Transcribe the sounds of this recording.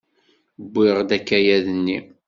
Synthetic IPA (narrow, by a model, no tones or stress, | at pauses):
bʷːɪʁd̪ækːæjæðənːi